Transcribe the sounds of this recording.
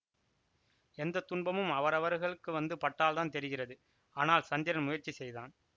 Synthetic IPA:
ɛnd̪ɐt̪ːʊɳbɐmɯmɐʋɐɾɐʋɐɾɣɐɭɯkːɯʋɐnd̪ɯpɐʈːaːlt̪aːnt̪ɛɾɪɣɪrɐðɯ | aːnaːlsɐnd̪ɪɾɐnmʊjɐɾt͡ʃːisɛjða̰ːn

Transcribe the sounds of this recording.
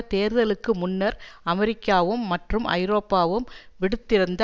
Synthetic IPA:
t̪eːɾðɐlɯkːɯmʊnːɐɾɐmɛɾɪkːaːʋɯmːɐʈrɯmʔɐ̰ɪɾoːpːaːʋɯmʋɪɽɯt̪ːɪɾɯnd̪ɐ

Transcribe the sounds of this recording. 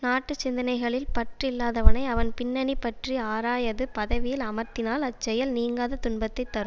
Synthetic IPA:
naːʈːɯt͡ʃːɪnd̪ɐnɐɪɣɐɭɪlpɐʈrɪlːaːðɐʋɐnɐɪɐʋɐnpɪnːɐɳipːɐʈriaːɾaːjɐðɯpɐðɐʋɪjɪlɐmɐɾt̪ɪnaːlɐt͡ʃːɛjɐlniːŋɡaːðɐt̪ʊɳbɐt̪ːɐɪt̪ːɐɾɯm

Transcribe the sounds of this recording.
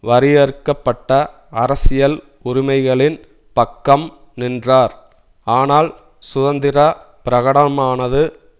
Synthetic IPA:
ʋɐɾɪjɐɾɯkːɐpːɐʈːɐ | ɐɾɐsɪjɐl | ʊɾɪmɐɪɣɐɭɪn | pɐkːɐm | nɪndraːɾ | aːnaːl | sʊðɐnd̪ɪɾɐ | pɪɾɐɣɐɽɐmaːnɐðɯ

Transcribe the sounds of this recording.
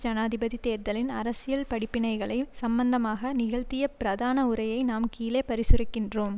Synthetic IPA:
d͡ʒɐnaːðɪbɐðit̪eːɾt̪ɐlɪnɐɾɐsɪjɐlpɐɽɪpːɪnɐɪɣɐɭɐɪsɐmbɐnd̪ɐmaːɣɐnɪɣɐɭt̪ɪjɐpɪɾɐðaːnɐʊɾɐjɐɪnaːmkiːleːpɐɾɪsɯrɪkːɪndroːm

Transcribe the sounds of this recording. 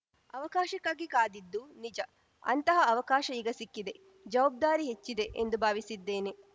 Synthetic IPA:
ɐʋɐkaːʃɐkːaːɡikaːd̪id̪ːunid͡ʒɐ | ɐ̰nt̪ɐɦɐɐʋɐkaːʃɐiɡɐsikːid̪e | d͡ʒɐʋaːb̚d̪aːɾiɦet͡ʃːid̪eʔend̪ubʱaːʋisid̪ːeːne

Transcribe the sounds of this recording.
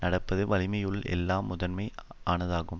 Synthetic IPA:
nɐɽɐpːɐðɯʋɐlɪmɐjɯɭɛ̰lːaːmːʊðɐnmɐɪaːnɐðaːɣɯm

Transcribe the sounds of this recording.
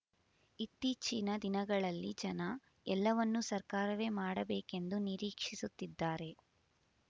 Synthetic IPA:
it̪ːiːt͡ʃinɐd̪inɐɡɐɭɐlːid͡ʒɐnɐ | ɛlːɐʋɐnːusɐɾkaːɾɐʋe̞ːmaːɽɐbeːke̞nd̪uniɾiːkʂisut̪ːid̪ːaːɾe̞

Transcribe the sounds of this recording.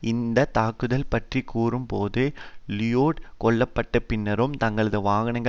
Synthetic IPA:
ɪnd̪ɐt̪aːkːɯðɐlpɐʈrikːuːrɯmpoːðɯlɪjoːʈkɔɭːɐpːɐʈːɐpɪnːɐɾɯmt̪ɐŋɡɐɭɐðɯʋaːɣɐɳɐŋɡɐ

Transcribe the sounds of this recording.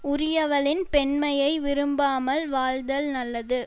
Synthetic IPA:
ʊɾɪjɐʋɐlɪnpɛnmɐjɐɪʋɪɾɯmbaːmɐlʋaːɻd̪ɐlnɐlːɐðɯ

